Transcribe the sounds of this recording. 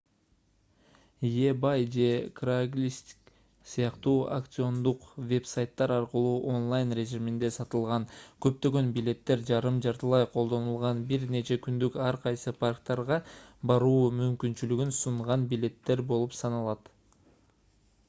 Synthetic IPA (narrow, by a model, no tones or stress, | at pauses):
jebajd͡ʒe̞kraɡlʲist̪ʲk | sɨjɑqt̪uːa̰kt̪sɨo̞nd̪uqvʲe̞psajt̪ːɑɾɑɾqəlˠuːʔo̞nlˠajnre̞ʒimind̪e̞sɑt̪ɯlˠʁɑnkø̞p̚t̪ø̞ɡø̞nbilʲe̞t̪ːe̞ɾd͡ʒɑɾɯmd͡ʒɑɾt̪ɯlˠɑjqʰo̞lˠd̪o̞nulˠʁɑnbiɾne̞t͡ʃe̞kynd̪ykɑɾqʰɑjsɯpʰarkt̪ɑɾʁɑbɑɾuːmymkynt͡ʃylyɡynsuɴʁɑnbilʲe̞t̪ːe̞ɾbo̞lˠupsɑnɑlˠɑt̪